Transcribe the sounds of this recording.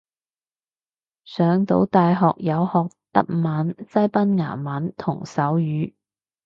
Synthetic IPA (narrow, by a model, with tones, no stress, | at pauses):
sœː˨˧ŋt̪o˨˥wt̪aː˨˧jɦɔː˨k̚jɐ˨˧whɔː˨k̚t̪ɐ˥k̚maː˨˥nsɐ˥jpɐ˥nŋa̰ː˨˩maː˨˥nt̪ʰʊ˨˩ŋsɐ˨˥wjyː˨˥